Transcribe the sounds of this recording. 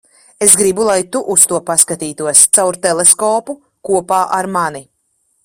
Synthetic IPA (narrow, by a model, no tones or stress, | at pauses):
esɡɾibulˠajt̪uʔust̪uɔpaskat̪iːt̪uɔst̪sawɾt̪ɛleskɔːpu | kuɔpaːʔaɾmani